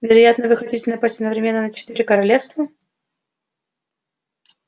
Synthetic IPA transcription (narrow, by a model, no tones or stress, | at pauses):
vʲɪɾɐjat̪nəvɨxɐtʲitʲɪnɐpatʲɐd̪nəvɾʲɪmʲe̞nːənət͡ɕɪ̥t̪iɾʲɪkəɾɐlʲefst̪və